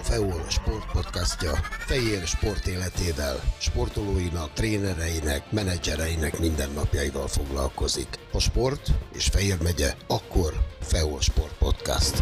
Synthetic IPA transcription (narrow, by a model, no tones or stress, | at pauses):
fɛoːlʃpo̞rt̪̚po̞t̪kascɒfɛjeːrʃpo̞rt̪eːlɛt̪eːvɛlʃpo̞rt̪oloːjinɒk̚t̪reːnɛɾɛjinɛkmɛnɛd͡ʒɛɾɛjinɛkmind̪ɛnːɒpjɒjivɒlfo̞ɡlɒ̰lko̞zḭkɒʃpo̞rt̪eːʃfɛjeːrmɛɟɛɒkːo̞rfɛoːlʃpo̞rt̪̚po̞t̪ka̰st̪